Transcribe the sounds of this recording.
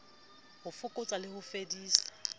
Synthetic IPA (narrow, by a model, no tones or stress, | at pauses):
hʊfʊkʼʊt͡sʼalɪhʊfediːsḁ